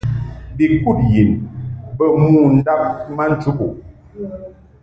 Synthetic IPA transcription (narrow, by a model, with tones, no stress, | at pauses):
bi˨ku˦˨t̚ji˨nbə˦˨mu˦˨n̩˦da˦p̚ma˦n̩˦t͡ʃu˦ku˨